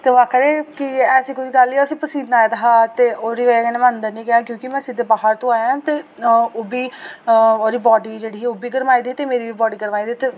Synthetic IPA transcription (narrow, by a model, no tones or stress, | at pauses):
t̪eːʋaːkəɾẽːkɪɛːsiːkʊiːɡəlːiːəsĩːpəsiːd̪naːjed̪əɦaːt̪eːoːɾiːʋekɛːneːmə̃nd̪əɾnĩːkɛãːkjõːkɪmɛ̃ːsid̪eːbaːɦəɾt̪õːaːjãːt̪eːoːbiː | oːɾiːbɔːɖiːd͡ʒeːɽiːoːbiːɡəɾmaːiːd̪iːt̪eːmeːɾiːʋiːbɔːɖiːɡəɾmaːiːd̪iːt̪eː